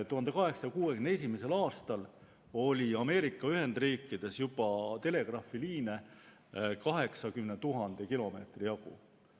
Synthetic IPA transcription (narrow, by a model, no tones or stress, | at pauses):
t̪uɦhɑnd̪e̞kɑɦe̞ksɑɑkuːekynees̬ʲimese̞lɑːst̪ɑl | o̞lʲiɑme̞ːɾikːˑɑyɦe̞nd̪̥riːkːˑid̪̥e̞sjub̥ɑt̪e̞le̞ɡ̥rɑfiliːne | kɑɦe̞ksɑkymnet̪uɦɑnd̪̥ekilo̞me̞̰ːt̪rijɑɡṵ